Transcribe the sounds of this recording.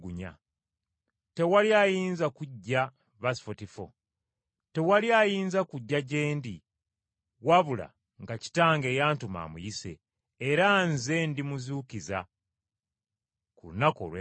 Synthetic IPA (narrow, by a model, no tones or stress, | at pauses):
ɡuɲa̰ | te̞waljajiːnzakuɟːa | βasi̥fotifo̰ | te̞waljajiːnzakuɟːaɟe̞ːndi | waβula̰ | ŋɡaci̥taːŋɡe̞ːjaːntuma̰ːmṵjise̞̰ː | ɾanze̞ndimuzukiza̰ | kulṵnako̞̰lwe